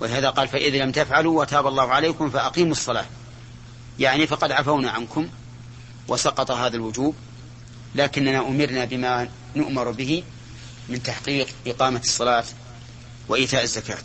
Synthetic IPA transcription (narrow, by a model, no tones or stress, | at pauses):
wɪlɪɦaːðaqɑːlfaʔɪðlamt̪afʕaluwʔat̪aːbɑlˤːɑːhʊʕalajkʊmfaʔaqiːmsˤːɑlɑ̰ː | jaʕnifɑqɑd̪ʕafawnaʕankʊm | wʔɪsɑqɑt̪ˤɑɦaːðalwʊd͡ʒuːb | laːkɪnːanaʔʊmɪɾnabɪma | nʊʔmɪɾˤbɪhɪ | mɪnt̪aħqiːqʔɪqɑːmasˤːɑlɑːt̪ | wɪʔiːt̪aːʔazːaka̰ːt̪